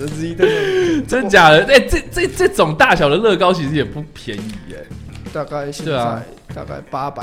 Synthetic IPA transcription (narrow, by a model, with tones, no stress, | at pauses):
ə˧˩˥i˧t͡sə˥nt͡ɕja˨˩d̪ə˦e˥˩ʈ͡ʂə˥˩ʈ͡ʂə˥˩ʈ͡ʂɤ˥˩ʈ͡ʂo˨˩ŋt̪a˥˩ɕjɑ˨˩ʊə˩lɤ˥˧kɑ˥ʊt͡ɕʰi˧˥ʂ̩˧˥jɛ˨˩pu˥˩pʰjɛ˧˦ni˨˩ḛ˨˦t̪a˥˧ka˥˩ɪwe˥˩a˩ | t̪a̰˥˧ka̰˥˩ɪpa˥pa˨˩